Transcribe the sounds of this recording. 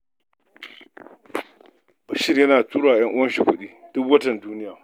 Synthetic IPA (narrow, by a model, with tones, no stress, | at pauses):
ʃɪ˦rjɐ˦naː˨tuː˦ɽaː˨jɐ˦ŋʔʊ˦wɐ˦nʃi˨kʷʊ˦ɗiː˦dʊ˦kwɐ˦tɐ˨nduː˦nɪ˦jaː˨